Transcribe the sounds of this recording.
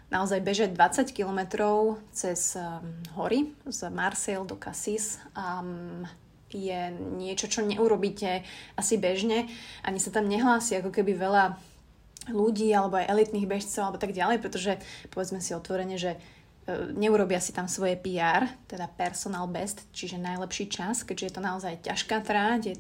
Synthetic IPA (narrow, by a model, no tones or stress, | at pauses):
naɔzajbɛʒaɟd̪ʋat͡sackilɔmɛt̪ɾɔʊt͡sɛz̥ɦɔɾizmaɾsɛld̪ɔkasisa | jɛɲɪɛt͡ʃɔt͡ʃɔɲɛʔuɾɔbiːcɛʔasibɛʒɲɛʔaɲisat̪amɲɛɦlaːsiakɔkɛbiʋɛʎa | luɟiːalɛbɔajʔɛlit̪niːɣbɛʃt͡sɔʊalɛbɔt̪aɡɟalɛjpɾɛt̪ɔʒɛpɔʋɛd͡zmɛsiɔt̪ʋɔɾɛɲɛʒɛ | ɲɛuɾɔbɪasit̪amsʋɔjɛpiaːɾt̪ɛd̪apɛɾsɔnaːlbɛst̪t͡ʃiʒɛnajlɛpʃiːt͡ʃaskɛɟʒɛjɛt̪ɔnaɔzajca̰ʃkaːt̪ɾacjɛ